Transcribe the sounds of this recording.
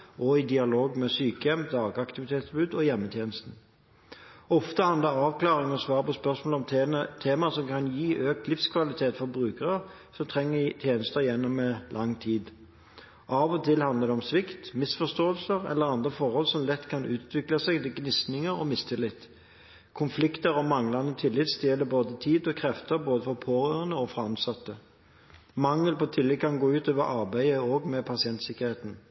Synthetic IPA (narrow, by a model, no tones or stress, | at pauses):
ʔɔɪd̪ɪɑloːɡmɛsyːkəjɛmd̪ɑːɡɑkt̪ɪʋɪt̪ʰeːt̪sbʉːd̪ɔjɛmːət̪ʰjeːnəst̪n̩ | ɔft̪əhɑnd̪əɾɑːʋklɑːʁɪŋɔsʋɑːɾəpɔspœʁsmoːlɔmt̪ʰeːmɑsɔmkʰɑnjiːʔøːk̚t̪lɪfskʰʋɑlɪt̪ʰeːt̪fɔɾbʁʉːkəʁə | sɔmt̪ʰʁɛŋːət̪ʰjeːnəst̪əjɛnːɔmːɛlʔɑŋːt̪ʰiːd̪ | ʔɑːʋɔt̪ʰɪlhɑnd̪ləʁd̪ɛɔmsʋɪkt̪mɪsfɔst̪oːəlsəʁɛ̰lːəʁɑnd̪ʁəfɔʁhɔlsɔmlɛt̪ːkʰɑnʉːt̪ʰʋɪklɑsɛɡt̪ɪɡnɪsnɪŋəɾɔ̰mɪst̪ʰɪlɪt̪ | kʰʊnflɪkt̪əɾɔmɑŋlɑnət̪ʰɪlːɪt̪sd̪̥jeːləboːd̪ət̪ʰiːd̪ɔkʰʁɛft̪əɾboːd̪əfɔʁpʰoːʁøːʁənəɔfʁɑɑnsɑt̪ːə | mɑŋːəlpɔt̪ʰɪlːɪkʰɑnɡoːʉːt̪øːʋəʔɑʁbæɪəoːɡmɛpʰɑsɪɛnt̪sɪkəʁheːt̪n̩